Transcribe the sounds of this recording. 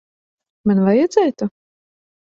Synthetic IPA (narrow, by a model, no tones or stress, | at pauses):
manvajad̪zɛːt̪u